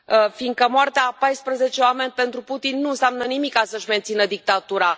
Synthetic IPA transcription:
əfind̪̚kəmoart̪eapajspɾəze̞t͡ʃeoame̞nʲpe̞nt̪ɾuput̪inːuɨnseamnənimikːasəʃʲme̞nt̪sinəd̪ik̚t̪at̪uɾa

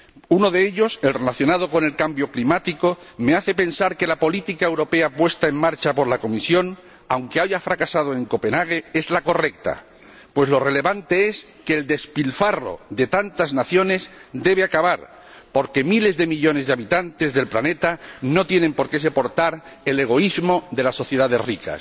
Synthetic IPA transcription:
uno̞ðe̞eʎo̞se̞lre̞laθjo̞nað̞o̞ko̞ne̞lkambjo̞klimat̪iko̞ | me̞aθe̞pe̞nsaɾke̞lapo̞lit̪ikaewɾo̞pe̞apwe̞st̪ae̞ŋmaɾt͡ʃapo̞ɾlako̞misjo̞n | awŋke̞aʝafɾakasað̞oe̞ŋko̞pe̞naɣ̞e̞e̞zlako̞re̞k̚t̪a̰ | pwe̞slo̞re̞le̞βant̪e̞e̞skeːld̪e̞spilfaro̞̰ðe̞t̪ant̪aznaθjo̞ne̞zd̪e̞β̞e̞akaβaɾ | po̞ɾke̞mile̞zðe̞miʎo̞ne̞zðeaβit̪ant̪ezðe̞lplane̞t̪ano̞t̪je̞nẽ̞mpo̞ɾkese̞po̞ɾt̪aɾe̞le̞ɣ̞o̞izmo̞ðe̞lasːo̞θjeðaðe̞srika̰s

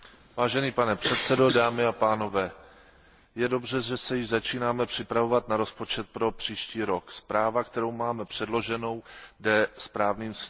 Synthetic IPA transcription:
vaːʒɛniːpanɛpr̝̥ɛt̪sɛdo̞daːmɪapaːno̞vɛː | jɛdo̞brɛʒɛsɛjɪʒzat͡ʃiːnaːmɛpr̥ɪpɾavo̞vat̪naɾo̞spo̞t͡ʃɛt̪̚pɾo̞pr̥iːʃciːɾo̞kspɾaːvakt̪ɛɾo̞wmaːmɛpr̝̥ɛdlo̞ʒɛno̞wdɛspɾaːvniːms

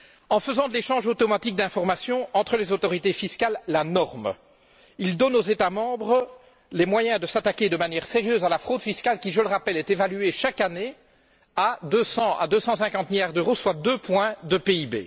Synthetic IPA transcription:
ɑ̃fəzɑ̃d̪əleʃɑ̃ʒot̪ɔmat̪ik̚d̪ɛ̃fɔʁmasjɔ̃ɑ̃t̪χəlɛzot̪ɔʁit̪efiskʲalːanɔʁm | ild̪ɔnozet̪amɑ̃bʁə | lɛmwajɛ̃d̪əsat̪akʲed̪əmanjɛːʁseʁjøːzalafχod̪fiskʲalkʲiʒələʁapɛlɛt̪evalyeʃakane | ad̪øsɑ̃a̰d̪øsɑ̃sɛ̃kɑ̃t̪miljaʁd̪øʁoswad̪øpwɛ̃d̪əpeibḛ

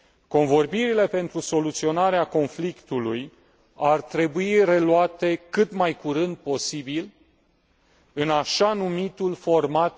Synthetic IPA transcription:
ko̞nvo̞rbiɾile̞pe̞nt̪ɾuso̞lut̪sio̞naɾeako̞nflikt̪uluj | art̪ɾe̞buire̞luat̪e̞kɨt̪majkuɾɨnd̪̚po̞sibil | ɨnaʃanumit̪ulfo̞rmat̪

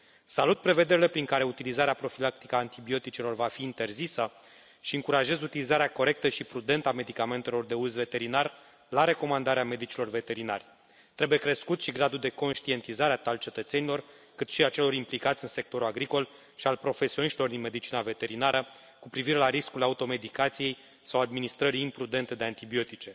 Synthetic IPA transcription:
salut̪̚pɾe̞ve̞d̪e̞ɾile̞pɾiŋkaɾe̞ut̪ilizaɾeapɾo̞filak̚t̪i̥kəant̪ibio̞t̪it͡ʃelo̞rvafiːnt̪e̞rzisə | ʃiɨŋkuɾaʒe̞zut̪ilizaɾeako̞ɾe̞k̚t̪əʃipɾud̪e̞nt̪əame̞d̪ikame̞nt̪e̞lo̞rd̪e̞uzve̞t̪e̞ɾinar | laɾe̞ko̞mand̪aɾeame̞d̪it͡ʃilo̞rve̞t̪e̞ɾina̰rʲ | t̪ɾe̞buje̞kɾe̞skut̪ʃiɡɾad̪ud̪e̞ko̞nʃt̪ie̞nt̪izaɾeat̪alt͡ʃe̞t̪ət̪se̞nilo̞r | kɨt̪ʃiat͡ʃe̞lo̞ɾimplikat̪sʲɨnse̞k̚t̪o̞ɾuaɡɾiko̞l | ʃialpɾo̞fe̞sioniʃt̪ilo̞rd̪inme̞d̪it͡ʃinave̞t̪e̞ɾinaɾə | kupɾiviɾe̞laɾiskulaut̪o̞me̞d̪ikat̪sije̞j | sawad̪minist̪ɾəɾiːmpɾud̪e̞nt̪e̞d̪eant̪ibio̞t̪it͡ʃe̞

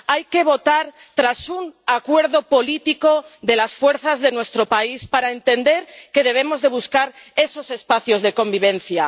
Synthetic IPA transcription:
ajke̞β̞o̞t̪aɾ | t̪ɾasuŋakwe̞ɾðopo̞lit̪iko̞ðe̞lasfwe̞ɾθazðe̞nwe̞st̪ɾopaispaɾaent̪e̞nd̪e̞ɾke̞ðe̞β̞e̞mo̞zðe̞βuskaɾe̞so̞se̞spaθjo̞zðe̞kõ̞mbiβ̞ẽ̞n̟θja

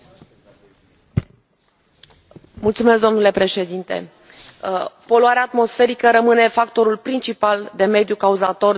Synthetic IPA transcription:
mult̪sumesk̚d̪o̞mnule̞pɾe̞ʃe̞d̪int̪e̞̰ | po̞loaɾeaːt̪mo̞sfe̞ɾikəɾəmɨne̞fakt̪o̞ɾulpɾint͡ʃipald̪e̞me̞d̪jukauzat̪o̞r

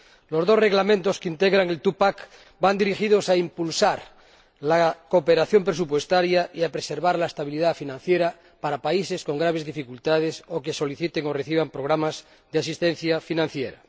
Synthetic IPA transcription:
lo̞zðo̞sreɣlamẽnt̪oskeint̪eɣɾaŋe̞lt̪upak | band̪iɾixið̞osaimpulsaɾ | lakopeɾaθjo̞mpɾesupwe̞st̪aɾjaiapɾeseɾβaɾlaest̪aβ̞iliðafinãn̟θjeɾa | paɾapaise̞sko̞ŋɡɾaβ̞e̞zðifikult̪að̞esokeso̞liθit̪eŋo̞reθiβ̞ampɾo̞ɣ̞ɾamaz | ðeasist̪en̟θjafinãn̟θjeɾa̰

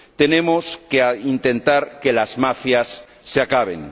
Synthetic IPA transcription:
t̪e̞nemoskeaint̪ẽ̞nt̪aɾkelazmafjasː | eakaβ̞ḛŋ

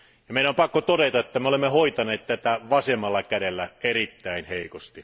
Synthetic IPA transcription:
jɑmeˑiæompɑkːot̪oɾet̪ɑet̪ːæmeolemːehoit̪ɑneːt̪t̪æt̪æʋɑsemːˑɑlːɑkædelːæʔerit̪ːæˑinheikost̪i

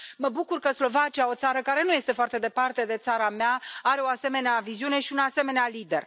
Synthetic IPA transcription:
məbukurkəslo̞vat͡ʃiao̞t̪saɾəkaɾe̞nuje̞st̪e̞foart̪e̞d̪e̞part̪e̞d̪e̞t̪saɾameaaɾe̞o̞ase̞me̞neaviziune̞ʃiunase̞me̞nealid̪e̞̰r

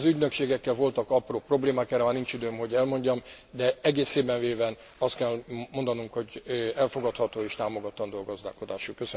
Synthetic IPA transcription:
zyɟnø̞kʃeːɡɛkːɛlvo̞lt̪ɒkɒproːpro̞bleːmaːkɛrɾɛmanint͡ʃid̪øːmho̞ɟɛlmo̞ɲɟɒm | d̪ɛɛɡeːsːeːbɛɱveːvɛn | ɒst̪kɛlmo̞nd̪ɒnuŋkho̞ɟɛlfo̞ɡɒt̪hɒt̪oːeːʃt̪aːmoɡɒt̪ːɒnd̪oɒɡɒzd̪a̰ːko̞d̪a̰ːʃukøs

